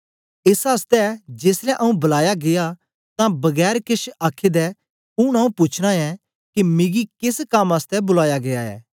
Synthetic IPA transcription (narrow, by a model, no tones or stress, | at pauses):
ɪsast̪ɛd͡ʒeːslɛ̃ʔɐũbɐlaːjaɡɪja | t̪ãbɐɡɛːɾkɪʃaːkʰːed̪ɛ | ʊɽ̃ɐũpʊt͡ʃʰɽ̃ãɛ | kimɪɡikɪskɐmast̪ɛbʊlaːjaɡejaɛ̰ː